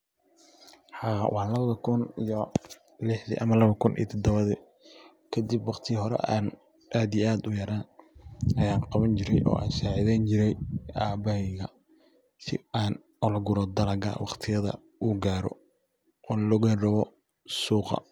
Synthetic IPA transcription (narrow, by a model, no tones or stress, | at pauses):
ħɑːwʔɑħlɐβɐðɐkʰʊnijɔ | lɪħðḭʔɐmɐlɐβɐkʰʊnʔḭj̰t̪ʰɔd̪ɐβɐðɛ | kʰɐd̪ibwɑqt̪ʰɪɦɔɾɛ̰ʔaːn | ʔaːd̪ijʔaːd̪ʊjɐɾaːnɐjaːnqɑβɐnt͡ʃɪɾɛjʔɔ̰ːʔa̰ːnʃaːʕɪðɛːnt͡ʃɪɾɛjaːbɐhɛɣɐ | sɪ̰aːn | ɔlɐɡʊɾɔd̪ɐlɐɡa̰wɑqt̪ʰɪjɐðɐ̰ | ʔuɡaːɾɔ̰ | ɔːnlɔɣɐrɐβɔ | suːqɑ̰